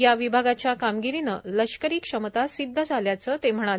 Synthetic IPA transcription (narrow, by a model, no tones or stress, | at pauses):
jaʋibʱaɡat͡ɕjakamɡiɾinələʂkəɾiːkʂəmət̪asid̪ʱːəd͡zʱaljat͡səːt̪em̤əɽ̃al